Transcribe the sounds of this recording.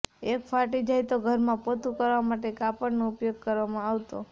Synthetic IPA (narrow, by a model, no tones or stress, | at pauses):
ekfʰaʈid͡ʒajt̪oɡʱəɾmãpot̪ukəɾʋamaʈekapəɽnoʊpjoɡ̚kəɾʋamãaʋt̪o